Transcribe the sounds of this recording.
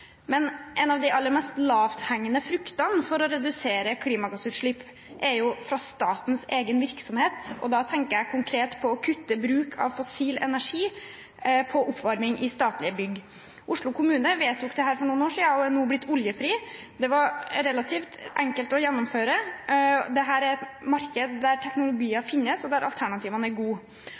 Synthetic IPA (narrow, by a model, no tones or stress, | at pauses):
mɛnʔɛnɑʋd̪ɪʔɑlːəɾmɛst̪lɑːʋt̪hæŋːənəfɾʉkt̪ɑnfɔɾɔɾɛd̪ʉseːɾəkʰliːmɑɡɑsʉːʂɭɪpː | ʔɛɾjʊfɾɑst̪ɑːt̪n̩seːɡənʋɪɾksɔmheːt̪ɔ̰d̪ɑt̪ʰɛŋkəɾækʰʊŋkʰɾeːt̪pʰɔɔkʰʉt̪ːəbɾʉːkʰɑ̰ʋfɔsiːlɛ̰næʂiː | pʰɔʔʊpʰːʋɑɾmɪŋʔɪst̪ɑːt̪lɪəbʏɡː | ʔʊʂlʊkʰʊmʉːnəʋeːt̪ʰːʊkd̪ɛɦæːɾfɔɳuːnoːʂiːɑɔɛnuːblɪt̪ːʊljəfɾiː | d̪ɛʋɑɾɾɛlɑt̪ʰiːft̪ɛŋkəlt̪ɔjɛnːʊmføːɾə | d̪ɛɦæːɾæɾɛt̪mɑɾkəd̪d̪æɾʈʰɛknʊlʊɡiːɑfɪnːəsɔd̪æɾʔɑ̰lt̪ʰæɳɑt̪ʰiːʋənəæɾɡuː